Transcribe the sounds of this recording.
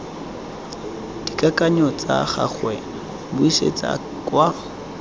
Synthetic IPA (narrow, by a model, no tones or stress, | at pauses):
d̥ikʼakʼaɲɔt͡sʼa̰χa̰χwɛ | bʊisḛt͡sʼa̰ | kʼwa